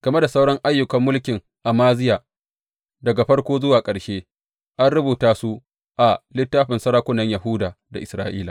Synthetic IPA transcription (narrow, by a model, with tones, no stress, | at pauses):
ɡ̥ɐ˨me˦da˨sa˦wɽɔ˦ŋʔa˦jːʊ˨kɐ˦mːʊ˦lkʲɪ˨ŋ | ʔa˨maː˦zɪ˦jaː˨ | dɐ˨ɡa˨ɸɐ˦ɽkʷoː˦zʊ˦waː˨kʼɐ˨ɽʃeː˦ | ʔa˦nɽʊ˦buː˨taː˦su˦ | ʔa˨lɪ˦tːaː˦ɸɪ˨nsɐ˦ɾaː˦kʷʊ˦nɐ˦ɲjɐ˨ɦʊ˦daː˨da˨ʔɪ˨sɾa̰ː˦ʔiː˦la˨